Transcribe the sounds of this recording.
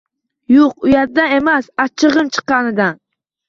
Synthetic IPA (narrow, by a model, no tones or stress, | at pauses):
juqʊjɑɾd̪aemasɑt͡ʃʰːɨʁɨmt͡ʃʰɨ̥qːɑnɨd̪an